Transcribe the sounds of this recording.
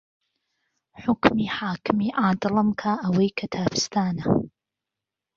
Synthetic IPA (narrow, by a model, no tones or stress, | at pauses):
ħʊkmiħaːkɪmiʔaːd̪lɑmkʰaʔaweːkʰat̪ʰaːfɪ̥st̪aːna